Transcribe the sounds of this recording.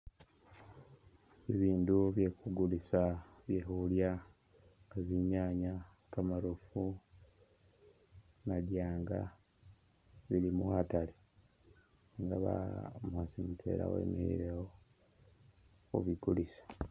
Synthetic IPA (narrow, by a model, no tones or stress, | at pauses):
iβiːnduβjekuɡulisaβjehulja | aziɲaːɲa | kamaɾufu | nadjaːŋɡa | βilimuhatale | ŋɡa̰βa̰muhasimitʰwe̞̰ɾa̰wḛmihḭɾeo | ṵβiɡulisḁ